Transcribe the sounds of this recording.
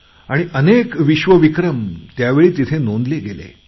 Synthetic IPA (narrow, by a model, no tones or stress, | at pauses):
aɽ̃iʔənekʋiɕʋəʋikɾəmt̪jaʋeɭiːt̪it̪ʰenond̪leɡelḛ